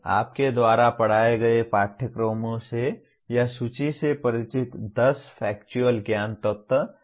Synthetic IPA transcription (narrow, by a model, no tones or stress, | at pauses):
a̰ːp̚ked̪waːɾapɐɽ̤aːeɡɐepaːʈʰəkɾomõse | jasuːt͡ʃisepɐɾɪt͡ʃɪt̪d̪ɐsfʰɛːkt͡ʃuəlɡjaːnt̪ət̪